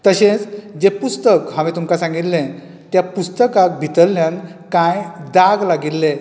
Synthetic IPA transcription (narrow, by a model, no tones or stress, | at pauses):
t̪əɕẽt͡sd͡ʑepust̪əkɦaʋit̪umkasãŋɡit̪lẽ | t̪japust̪əkak̚bʱit̪əlːjãnkajd̪aɡlaɡilːe